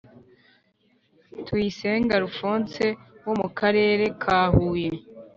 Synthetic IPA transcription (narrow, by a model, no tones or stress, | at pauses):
twiːseːŋɡaɾufuːnt͡se̞womukʰaɾe̞ːɾe̞kʰaːhuːje